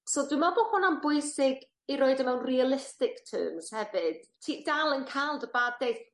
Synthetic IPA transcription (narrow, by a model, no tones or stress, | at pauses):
sodwɪmabɔbɔnambʊɨsɪɡ | iɾoːɨdəmɛwnrialˠɪstɪktʰə̰ːmz̥hɛvɨd̥tʰiːdalˠənkʰalˠdəbaːddejθ